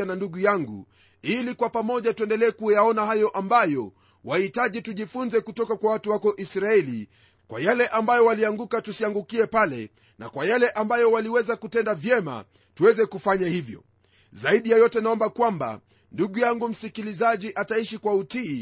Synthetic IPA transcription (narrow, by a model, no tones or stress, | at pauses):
ananduɠujaŋɡṵ | ilikwapamɔʄatuɛndɛlɛːkujaɔnahajɔʔambajɔ | wʔahitaʄituʄifunzɛkutɔkakwawatuwakɔʔisɾaɛli | kwʔa̰jalɛʔambajɔwaliaŋɡukatusiaŋɡukiɛpalɛ̰ | na̰kwajalɛʔambajɔwaliwɛzakutɛndavjɛma̰ | tuwɛzɛkufaɲahivjɔ̰ | zaiɗijajɔtɛnaɔmbakwamba̰ | nduɠujaŋɡum̩sikilizaʄiʔataiʃikwautiː